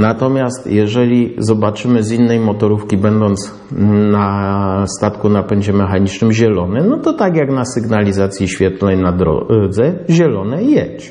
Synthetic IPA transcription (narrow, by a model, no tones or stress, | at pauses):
nat̪ɔmʲjast̪jɛʐɛlʲizɔbat͡ʂɘmɘzinːɛjmɔt̪ɔɾufkʲibɛnd̪ɔnt̪s | nast̪at̪kunapɛɲd͡ʑɛmɛxaɲit͡ʂnɘmʑɛlɔnɛnɔt̪ɔt̪aɡʲjaɡnasɘɡnalʲizat̪sʲjiɕfʲjɛt̪lɛjnad̪ɾɔ̰d̪zɛʑɛlɔnɛjjɛɕt͡ɕ